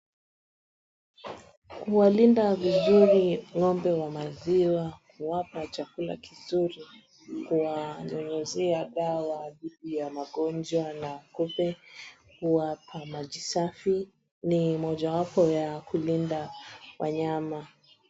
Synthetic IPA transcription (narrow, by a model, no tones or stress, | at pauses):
kuwalindavizuɾiŋɔmbɛwamaziwakuwapat͡ʃakula̰kizuɾi | kuwaɲɔɲɛzɛaɗawaɗiɗijamaɠɔnd͡ʒwanakupɛ | kuwapʰamaʄisafi | nimɔʄawapɔjakulindawʔa̰ɲama